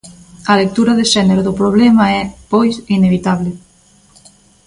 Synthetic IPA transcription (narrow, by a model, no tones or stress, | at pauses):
ɐlek̚t̪uɾɐðeʃɛneɾoðʊpɾoβ̞lɛmɐɛpojsineβit̪aβ̞le